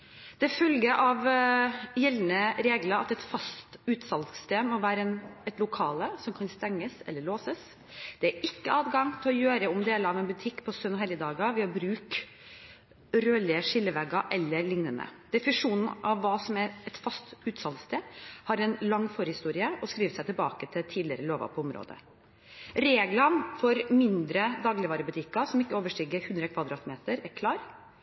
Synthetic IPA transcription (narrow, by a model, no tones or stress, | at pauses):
d̪̥ɛfœlɡəʔɑʋ | jɛlnəɾeːɡlɑɑt̪ɛt̪fɑst̪ʉːt̪sɑlst̪eːmɔʋæːɾəɛnɛt̪lʊkʰɑːləsɔmkʰɑnst̪ɛŋːəsɛ̰lːəɭoːsəs | d̪̥ɛæɾʔɪkːəɑːd̪ɡɑŋt̪ʰɪlɔjøːɾəʊmd̪eːləɾɑʋɛnbʉt̪ʰɪkːpʰɔsœnɔɦɛljəd̪ɑːɡɑʋɪhɑbɾʉːk | ɾøːlɪəʂɪlːəʋɛɡɑʔɛlːəɾlɪŋnənə̰d̪̥ɛfnʂuːnn̩ʔɑʋːɑːsɔmæɾɛt̪fɑst̪ʉːt̪sɑlt̪st̪ʰeːhɑɾɛnlɑŋːfɔɾhɪst̪uːɾɪəʔɔskɾiːʋət̪sæɪt̪ʰɪlbɑ̰ːkət̪ʰɪlt̪ʰiːd̪ɪəɾəloːʋɑ̰pʰɔɔmɾo̰ːd̪ə̰ | ɾeːɡlɑnfɔɾmɪnd̪ɾəd̪ɑːɡlɪʋɑːɾəbʉt̪ʰɪkːɑsɔmɪkːəoːʋəʂʈiːɡəɾhʉnd̪ɾəkʰʋɑd̪ɾɑːt̪meːt̪əɾæɾkʰlɑːɾ